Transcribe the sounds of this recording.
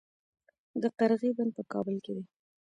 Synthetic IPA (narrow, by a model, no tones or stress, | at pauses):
d̪əqaɾɣibanpəkɑbəlked̪e